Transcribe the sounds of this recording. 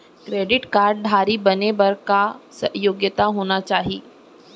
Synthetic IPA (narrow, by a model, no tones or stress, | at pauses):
kɾeːɖɪʈkaːɾɖ̚ɖʱaːɾibɐnebɐɾkasɐɦjoːɡjət̪aɦoːnat͡ʃaːɦiː